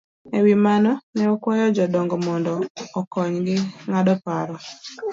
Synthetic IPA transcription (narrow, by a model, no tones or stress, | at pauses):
ewimanɔnɛɔkwajɔd͡ʒɔdɔŋɡɔmɔndɔːkɔɲɡɪŋadɔpaɾɔ